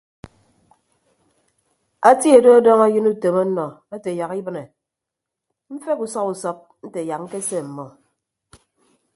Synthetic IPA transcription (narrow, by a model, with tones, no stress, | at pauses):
a˦ti˦e˨do˦a˦dɔ˦ŋa˦jɨ˦nu˦te˨ma˦nɔ˨e˦te˨ja˨ki˦bɨ˦ne˨ | m̩˦fe˦ku˨sɔ˦ku˨sɔ˦p̚n̩˦te˨ja˨kŋ̩˦ke˦se˦˨m̩˨mɔ˨